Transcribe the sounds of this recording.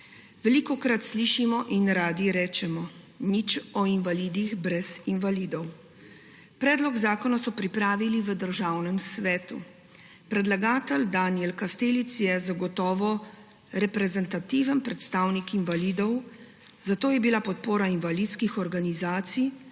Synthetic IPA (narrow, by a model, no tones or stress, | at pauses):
ʋɛlikɔkɾat̪sliʃimɔʔinɾaːd̪iɾɛːt͡ʃɛmɔ | nit͡ʃɔinvaliːd̪ixbɾɛzinvaliːd̪ɔw | pɾɛːd̪lɔɡzaːkɔnasɔpɾipɾaːʋiliʋəd̪əɾʒaːwnɛmsʋɛːt̪ṵ | pɾɛd̪laɡaːt̪əld̪aːniɛlkast̪eːlit̪sjɛzaɡɔt̪ɔːʋɔ | ɾɛpɾɛzɛnt̪at̪iːʋənpɾɛt̪st̪aːwnikinʋaliːd̪ɔw | z̥at̪oːjɛbilapɔt̪̚poːɾainvalit̪skixɔɾɡanizaːt̪sij